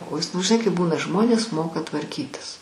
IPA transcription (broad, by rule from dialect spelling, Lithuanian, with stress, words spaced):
oː ˈjɪs nʊ ʒʲɪˈnɐɪ kɐɪp ˈbuːnɐ ˈʒmoːnʲeːs ˈmoːkɐ tʋɐrʲˈkʲiːtʲɪs